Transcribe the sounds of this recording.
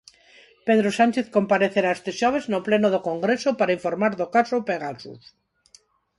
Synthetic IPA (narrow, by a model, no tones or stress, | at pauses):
peðɾosant͡ʃeθkompaɾeθeɾaest̪eʃoβeznoplenoðokoŋɡɾesopaɾaiɱfoɾmaɾðokasopeɣ̞aθṵθ